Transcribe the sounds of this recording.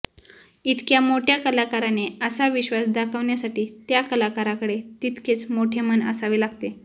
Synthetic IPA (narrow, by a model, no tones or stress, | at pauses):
it̪kjamoʈʰjakəlakaɾaneəsaʋiɕʋasd̪akʰəʋɳjasaʈiːt̪jakəlakaɾakəɽet̪it̪ket͡smoʈʰemənə̰saʋiːlaɡt̪e